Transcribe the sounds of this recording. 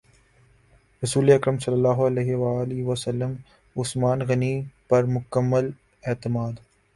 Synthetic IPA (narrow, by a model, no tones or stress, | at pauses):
ɾɐsuːleɐkɾəmsɐlːɐlːaːɦoɐleːɦʋaːlɪʋɐsɐlːəm | ʊsmaːnɣɐnipɐɾmʊkəmːəl | eːt̪ɪmaːd̪